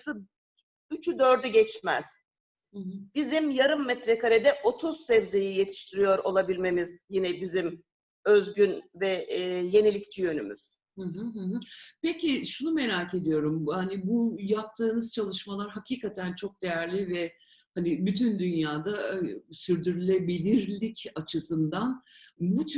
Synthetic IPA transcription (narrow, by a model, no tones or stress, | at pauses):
sɯ | yt͡ʃʰyd̪ø̞ɾd̪yɟɛt͡ʃmæ̰z̥ | hɯɦ̩bizimjaɾɯmːɛt̪ɾɛkʰaɾed̪ɛʔo̞t̪ʰuz̥sɛvze̞jije̞t̪ʰi̥ʃt̪ʰiɾijo̞ɾo̞lˠabilʲme̞mizjinɛbizim | øzɟynvɛje̞nilʲict͡ʃʰijø̞nymy̰z̥ | hɯ̃ɦɯɦɯ̃ɦɯpeciʃunume̞ɾaːce̞d̪ijo̞ɾumhanibujap̚t̪ʰɯːnɯz̥t͡ʃʰalˠɯʃmalˠaɾɦaciːkʰat̪ʰænt͡ʃʰo̞k̚d̪̥e̞jæɾlʲivɛ | hanibyt̪ʰynd̪ynjaːd̪asyɾd̪yɾylʲe̞bilʲiɾlʲicat͡ʃʰɯsɯnd̪anbut͡ʃ